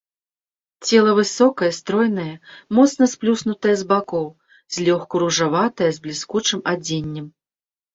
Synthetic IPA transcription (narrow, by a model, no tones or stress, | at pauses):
t͡sʲɛlˠɐvɨsɔkɐjɐst̪ɾɔjnɐjɐmɔt̪snɐsplʲusnut̪ɐjɐzbakɔw | z̥ʲlʲɔxkuɾuʐavat̪ɐjɐzblʲiskut͡ʂɨmad͡zʲenʲːɛm